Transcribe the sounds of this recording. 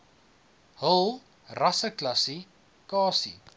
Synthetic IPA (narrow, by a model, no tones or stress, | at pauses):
həlˠ | rɐsəklɐsi | kɑːsḭ